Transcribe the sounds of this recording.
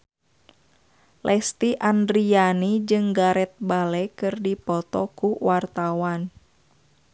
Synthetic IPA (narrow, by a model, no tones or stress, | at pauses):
lʔɛst̪iʔandɾianid͡ʒɨŋɡaɾɛt̪̚balɛkɨrdipɔt̪ɔkuwart̪awan